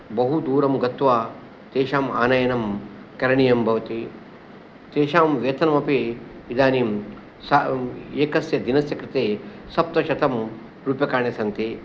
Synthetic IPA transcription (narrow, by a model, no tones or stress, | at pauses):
bɐɦud̪uːɾɐmɡɐt̪ʋaː | t̪eːʃaːma̰ːnajɐnɐm | kɐɾɐɳijɐmbʱɐʋɐt̪i | t̪eːʃaːmʋeːt̪ɐnɐmɐpiid̪aːniːm | sɐeːkɐsjɐd̪inɐsjɐkɾɪt̪eːsɐp̚t̪ɐʃɐt̪ɐm | ɾuːpjɐkaːɳjɐsɐnt̪i